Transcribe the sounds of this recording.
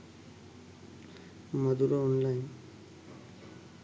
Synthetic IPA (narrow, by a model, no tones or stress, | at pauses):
mad̪uɾoɔnlajn